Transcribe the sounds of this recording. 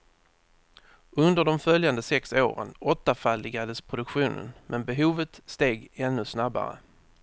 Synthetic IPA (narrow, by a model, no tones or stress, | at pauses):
ɵnd̪əɖɔmfœljand̪əsɛkso̰ːɾə̰nɔt̪ːafalːɪɡad̪əspʰɾʊd̪ɵkɧuːnə̰nmʔɛnbɛɦuːvət̪st̪eːɡɛnːɵsnaba̰ɾə̰